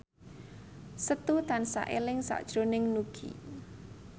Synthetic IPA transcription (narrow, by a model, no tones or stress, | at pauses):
sət̪ut̪ansa̰ʔelɪŋsa̰ʔd̥ʒ̥ɾonɪŋnuɡ̥ḭ